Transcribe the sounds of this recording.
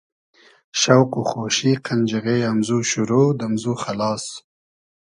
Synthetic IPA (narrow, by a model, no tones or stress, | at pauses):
ʃawquxoʃiqʰand͡ʒɪɣeamzuʃʊɾod̪amzuxalɑːs